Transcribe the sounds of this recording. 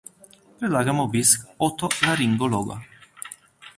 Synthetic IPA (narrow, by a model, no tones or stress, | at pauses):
pelaɡamobiskɔt̪ːolaɾiŋɡolɔɡa̰